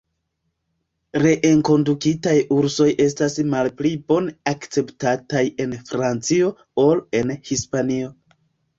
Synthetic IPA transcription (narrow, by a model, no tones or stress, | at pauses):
ɾe̞ʔeŋko̞ndukitajuɾso̞jʔe̞s̬tasmalplibo̞nakt͡se̞ptataje̞nfɾant͡sio̞ | o̞le̞nhispanio̞